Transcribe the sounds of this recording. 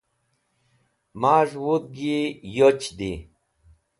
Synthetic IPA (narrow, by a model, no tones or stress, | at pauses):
maːʐwut̪̚ɡijot͡ɕd̪i